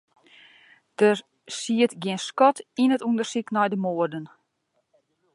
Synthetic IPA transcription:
d̥ər | siətɡiənskɔtinətundərsiknɔjdəmoːərdən

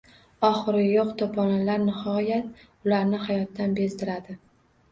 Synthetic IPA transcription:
ɒχɨɾɪjoqt̪ʰopʰɒnalaɾnɪhɒjat̪̚ | ʊlaɾnɪhajɒt̪ːanbest̪ɪɾad̪ɪ

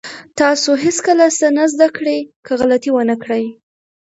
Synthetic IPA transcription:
t̪ɑsoɦɪskəlasənazd̪akɽekəɣalat̪iwənəkɽəj

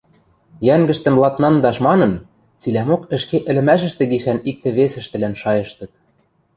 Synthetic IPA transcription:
jæŋɡɘ̆ʃt̪ɘ̆mlˠɑt̪nɑnd̪ɑʃmɑnɤ̆n | t͡silæmokɘ̆ʃkeʔɘ̆lɘ̆mæʃ̬ɘ̆ʃt̪ĕɡiʃænik̚t̪ĕβesɘ̆ʃt̪ɘ̆lænʃɑjɤ̆ʃt̪ɤ̆t̪̚

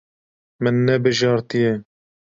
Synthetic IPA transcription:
mɨnːɛbɨʒɑːɾt̪ijɛ

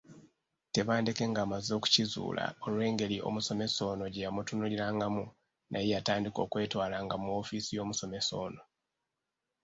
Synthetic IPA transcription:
te̞βaːndeke̞ŋɡaːmazo̞ːku̥cizṵːla̰o̞lwe̞ːŋɡe̞liʔo̞̰muso̞me̞so̞ːno̞ɟejamutunuliɾaːŋɡamu | nʔajejataːndiko̞̰ːkwe̞ːtwaːlaːŋɡamuo̞ːfisijo̞ːmuso̞me̞so̞̰ːno

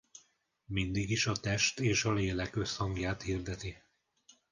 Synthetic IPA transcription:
mind̪iɡiʃɒt̪ɛʃt̪eːʃɒleːlɛkø̞shɒŋɡjaːt̪hird̪ɛt̪i

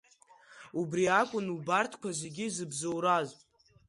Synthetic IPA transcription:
ubriakʷʼʊnubartʰkʷʰaze̞ɡʲizɨbzowɾazpʼ

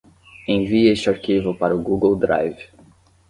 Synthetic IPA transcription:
ẽviest͡ʃaɾkivopaɾʊɡuɡowd̪ɾa̰jv

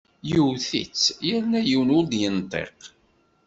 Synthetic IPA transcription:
juwθḭt͡sːjəɾnæjiwnʊɾd̪jənt̪ˤḛq

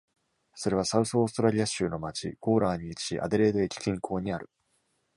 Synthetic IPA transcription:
so̞ɾe̞βasaɯ̟sːst̪o̞ɾaɾʲiaɕɨːno̞mat͡ɕḭko̞ːɾaːɲ̟iːt͡ɕi̥ɕḭʔa̰d̪e̞ɾe̞ːd̪o̞ekʲi̥kʲĩŋkʰo̞ːɲ̟iaɾɯ̟

